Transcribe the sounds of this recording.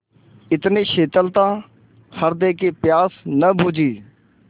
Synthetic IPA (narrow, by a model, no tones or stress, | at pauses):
ɪt̪neːʃeːt̪əlt̪ãː | hʰəɾd̪eːkeːpjaːsnəbuːd͡ʒiː